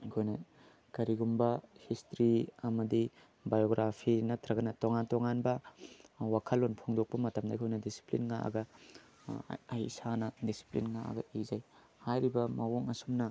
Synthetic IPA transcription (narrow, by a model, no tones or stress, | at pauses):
kʰojnɐ | kɐɾiɡumbɐhistɾiɐmɐdi | bajoɡɾapʰinɐtʰɾɐɡɐnɐtoŋantoŋanbɐ | wakʰɐlːonpʰoŋdok̚pɐmɐtɐmda̰kʰojnɐdisi̥plḭnŋaʔɐ̰ɡɐ | ɐjsanɐdisi̥plḭnŋaʔɐ̰ɡɐʔizaj | hajɾibɐmɐwoŋɐsumnɐ